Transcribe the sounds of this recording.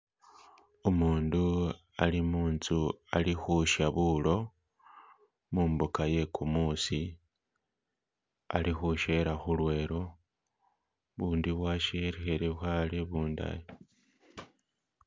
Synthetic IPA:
omuːndu | a̰limuːnzua̰lixuʃaβulo̞ | muːmbukaje̞kʰumuːsi | a̰lixuʃe̞ɾaxulwe̞ːɾo̞ | βuːndiβwaʃeeɾexeɾeβxaleβuːnda̰jo

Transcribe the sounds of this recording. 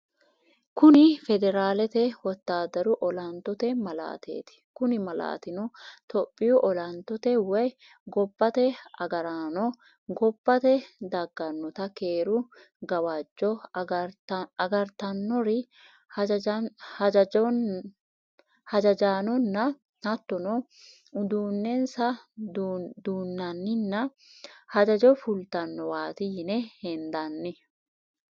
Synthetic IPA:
kʊnɪfɛd̪ɛɾaːlɛt̪ɛwɔt̪ːaːd̪ɐɾʊʔɔlɐnt̪ːɔt̪ɛmɐla̰ːt̪ʰḛːt̪ɪ̥kʊnɪmɐla̰ːt̪ɪnʊt̪ɔpʼːɪjʊʔɔlɐnt̪ːɔt̪ɛwɐj | ɡɔbːɐt̪ɛɐɡɐɾaːnɔ | ɡɔbːɐt̪ɛd̪ɐɡːɐnːɔt̪ɐkeːɾʊ | ɡɐwad͡ʒːɔ | ɐɡɐɾt̪ɐnːɔɾɪ | d͡ʒɐ | hɐd͡ʒɐd͡ʒaːnɔnːɐ | hɐt̪ːɔnɔ | ʊd̪uːnːɛnsɐ | d̪uːnːɐnːɪnːɐ | hɐd͡ʒɐd͡ʒɔfʊlt̪ɐnːɔwaːt̪inɛhɛnd̪ɐnːɪ

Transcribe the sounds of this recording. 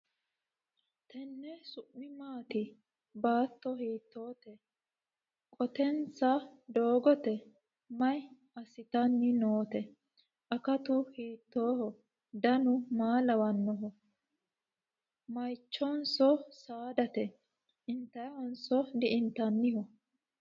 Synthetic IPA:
t̪ɛnːɛsʊʔːɪmaːt̪ɪ | baːt̪ːɔhiːt̪ːoːt̪ɛ | kʼɔt̪ɛnsɐd̪oːɡɔt̪ɛ | mɐj | ɐsɪt̪ɐnːɪnoːt̪ɛ | ʔɐkɐt̪ʊhiːt̪ːoːhɔ | d̪ɐnʊmaːlɐwɐnːɔɦɔ | mɐjt͡ʃːɔnsɔsaːd̪ɐt̪ɛ | ʔɪnt̪ːɐjɐhɔnsɔd̪ɪʔɪnt̪ɐnːɪhɔ

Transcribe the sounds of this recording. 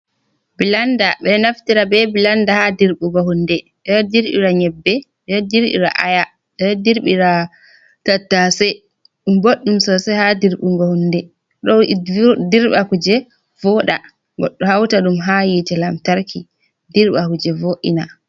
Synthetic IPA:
bilandaɓɛnaftiɾabɛbilandahadiɾɓuɡahundɛ | ɗɔdiɾɓḭɾaɲɛbːɛɗɛdiɾɓḭɾa̰ʔaja | ɗɔdiɾɓiɾa | tatːasɛ | ɗumboɗːumsɔsɛhadiɾɓuŋɡohundɛ | ɗɔdiɾɓakud͡ʒɛ | vɔɗa̰ | ɡɔ̰ɗːɔhawtaɗumɦajitɛlamtaɾkʰi | diɾɓakud͡ʒɛvoʔḭna

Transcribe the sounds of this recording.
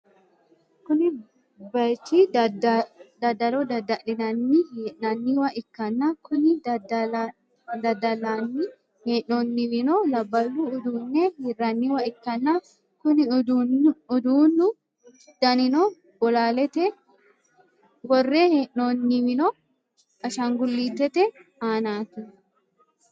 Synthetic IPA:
kʊnɪ | bɐjt̪i | d̪ɐd̪ɐlɔd̪ɐd̪ɐʔɪnɐnːihiʔnɐnːiwɐʔɪkːɐnːɐkʊnɪd | d̪ɐd̪ɐlanːi | heːʔnoːnːiwɪnɔlɐbːɐlːuʊd̪uːnːɛhiːrːɐnːiwɐɪkːɐnːɐ | kʊnɪ | ʊd̪uːnːʊ | d̪̥ɐnɪnɔ | ɡɔlaːlɛt̪ɛ | ɡɔrːeːheʔnonːɪwɪnɔ | ɐʃɐŋɡʊlːiːt̪ːɛt̪ɛaːnaːt̪ɛ

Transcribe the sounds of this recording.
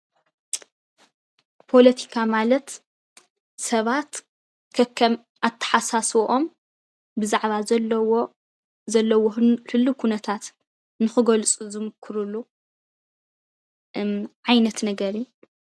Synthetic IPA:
pʰo̞lɐt̪ʰi̥kʰamalɐt̪ | sɐβat̪ | kʰɐkʰːɐm | ʔat̪ʰːɐ̥ħasaswʔom | bɨzaʕβazɐlɐwo | zɐlːɐwofɨlːukʰunɐt̪ʰat̪ | nɨxɨɡolt͡sʼuzɨmɨkʰːɨɾulːu | ʕajnɐt̪nɐɡɐɾi

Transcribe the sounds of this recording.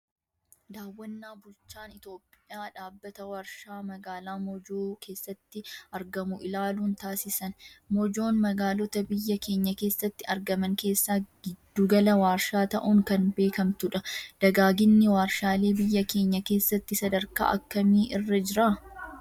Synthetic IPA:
d̪aːwːɐnːaːbʊlt͡ʃːaːnɪt̪o̞ːpʼːɪjaːᶑaːbːɐt̪ɐwaːɾʃaːmɐɡaːlaːmɔd͡ʒoːkʰe̞ːsːɐt̪ːɪɐɾɡɐmʊʔɪlaːluːnt̪aːsɪsɐnmɔd͡ʒo̞ːnmɐɡaːlɔt̪ɐbɪjːɐke̞ːɲːɐke̞ːsːɐt̪ːɪɐɾɡɐmɐŋke̞ːsːaːɡ̥ɪd̪ːuːɡɐlɐwaːɾʃaːt̪ɐ̰ʔʊŋkɐnbe̞ːkɐmt̪ʊᶑɐd̪̥ɐɡaːɡɪnːɪwaːɾʃaːle̞ːbɪjːɐke̞ːɲːɐke̞ːsːɐt̪ːɪsɐd̪ɐɾka̰ːʔɐkːɐmiːʔɪrːɐd͡ʒɪɾaː

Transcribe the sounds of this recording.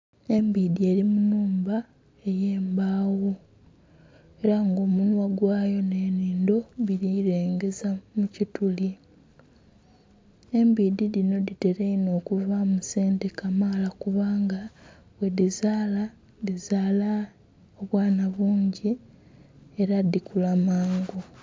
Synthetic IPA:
e̞mbiːdie̞ɾimunuːmba | e̞jeːmbaːwo | e̞ɾaŋɡo̞ːmunwaɡwaːjo̞ne̞ːniːndo̞βiɾiɾeːŋɡe̞zamucituli | e̞mbididino̞dite̞ɾeino̞ːkuvamuseːntekamalakuβaːŋɡa | we̞dizaːla | dizaːla | oβwaːnaβuːɲɟi | e̞ɾadikulamaːŋɡo

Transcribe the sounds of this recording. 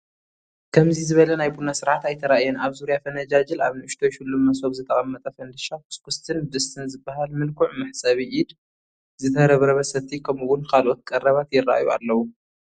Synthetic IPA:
kʰɐmzizɨβɐlɐnajbunasɨɾʕat̪ajt̪ʰɐɾaʔjɛnaβzuɾijafɐnɐd͡ʒad͡ʒɨlaβnɨʔɨʃt̪ʰojʃɪlːumːɐsoβzɨt̪ʼɐχʼɐmːɐt̪ʼɐfɐnd̪ɨʃakʰu̥skʰʊst̪ʰɨnbɨst̪ʰɨnzɨbːahalmɨlkʰuʕmɨħsʼɐβiʔid̪ | zɨt̪ʰɐɾɐβɾɐβɐsɐβt̪ʰikʰɐmɨwʊnkʰalʔot̪̚kʼɐrːɐβat̪jɪrːa̰ʔjua̰lːɐwu

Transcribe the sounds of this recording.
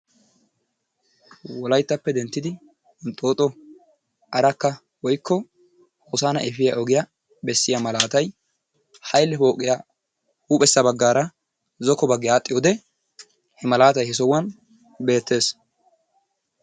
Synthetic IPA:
wɔlɐjt̪ːɐpːɛd̪ɛnt̪ːɪd̪ɪ | nt̪ʼːo̞ːt̪ʼːɔ | ʔɐɾɐkːɐ | wɔjkːɔ | hoːsaːnɐ̰ʔɛfɪjɐʔɔɡɪja | bɛsːɪjamɐlaːt̪ɐj | hɐjlːɛfo̞ːkʼːɪja | huːpʼɛsːɐbɐɡːaːɾɐ | zɔkːɔbɐɡːɪjaːt̪ʼːɪjoːd̪ɛ | hɛmɐlaːt̪ɐjhɛs̬ɔwːɐn | be̞ːt̪ːe̞ːs

